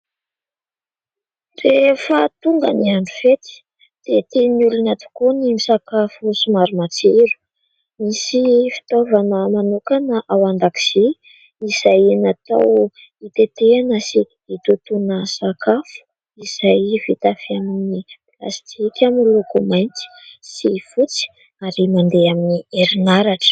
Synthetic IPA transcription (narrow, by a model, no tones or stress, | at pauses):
refət̪uŋɡə̰niaɳɖ͡ʐufet͡s̪i̥ | d̪̥et̪eniulunat̪u̥konimisakafusumaɾumat͡seɾu̥ | misifi̥t̪ovanəmanukanəʔawand̪aki̥z̥i | iz̥ajenat̪a̰w | it̪et̪eanəsi | it̪ut̪unəsakafu̥ | iz̥ajvit̪afiaminipila̰st̪ʰikʲamilukumajnt͡si̥sifut͡si̥ | aɾimand̪eaminieɾinaɾaʈ͡ʂə̥